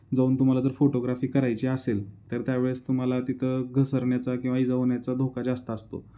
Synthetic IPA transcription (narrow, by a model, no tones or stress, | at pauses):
d͡zauːnt̪um̤alad͡zəɾfoʈoɡɾafiːkəɾajt͡ɕiəselt̪əɾt̪jaʋeɭəst̪um̤alat̪it̪ʰəɡʱəsəɾɳjat͡sakĩw̃ʋaid͡zəʋɳjat͡sad̪ʱokad͡zast̪əːst̪o̰